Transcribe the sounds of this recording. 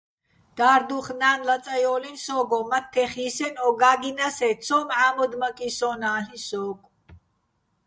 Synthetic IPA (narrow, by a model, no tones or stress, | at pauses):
d̪̥aːɾd̪uχnaːnlat͡sʼajɔːlinsɔːɡɔmat̪ʰːɛχiːsɛnɔɡaːɡinasɛt͡sʰɔːmʕaːmɔd̪makʼisɔːnaːɬisɔːkʼ